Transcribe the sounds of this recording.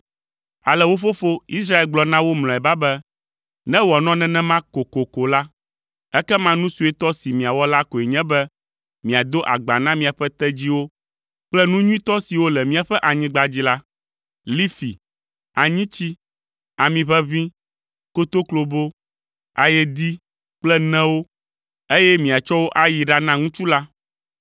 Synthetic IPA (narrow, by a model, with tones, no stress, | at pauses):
a˨lɛ˨wo˦fo˦fo˦i˦sɾa˦e˦lɡ͡blɔ˨nã˦wo˦ml̃ɔ̃˨ɛ˨ba˦bɛ˦ | nɛ̃˦wɔ˨nɔ̃˦nɛ̃˦nɛ̃˦mã˦ko˨ko˨ko˨la˦ | ɛ˦kɛ˦mã˦nũ˦su˦ɛ˦t̪ɔ˦si˨mĩ˨a˨wɔ˦la˦ko˨e˨ɲɛ̃˦bɛ˦ | mĩ˨a˨d̪o˦ʔa˨ɡ͡ba˨nã˦mĩ˨a˨ɸɛ˦t̪ɛ˦d͡ʑi˦wo˦ | k͡plɛ˦nũ˦ɲũ˦ĩ˦t̪ɔ˦si˨wo˦lɛ˨mĩ˦a˨ɸɛ˦ʔa˨ɲĩ˦ɡ͡ba˦d͡ʑi˦la˦ | li˦fi˨ | a˨ɲĩ˦t͡ɕi˦ | a˨mĩ˨βɛ˦βĩ˦ | ko˦t̪o˦klo˨bo˦ | a˨jɛ˦d̪i˦ | k͡plɛ˦nɛ̃˦wo˦ | e˦jɛ˦mĩ˨a˨t͡ʃɔ˦wo˦ʔa˦ji˨ɖa˦nã˦ŋũ˦t͡ʃu˦la˦